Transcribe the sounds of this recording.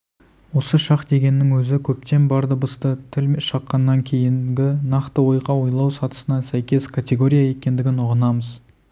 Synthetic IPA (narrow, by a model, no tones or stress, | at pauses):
wo̞səʃɑqd̪e̞ɡʲe̞nːɪŋwɵzɪkʲʰɵp̚t̪e̞nbɑɾd̪əbəst̪ət̪ʰɪlʃɑqːɑnːɑŋkʲʰe̞jɪŋɡʲɪnɑqt̪əwo̞jʁɑwo̞jlˠɑwsɑt̪ə̥sənɑsæjkʲe̞skʰat̪ʲe̞ɡo̞ɾʲijaje̞kʲe̞nd̪ɪɡʲɪnʊʁənɑməz